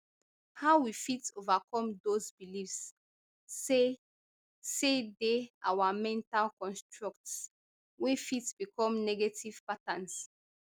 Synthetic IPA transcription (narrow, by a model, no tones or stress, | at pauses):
hawwifitovakʰɔ̃mdozbilifs | e | sedeawamɛ̃ntalkɔ̃nstɹɔkts | wifitb̥ikʰɔ̃mnɛɡetiv̥patãns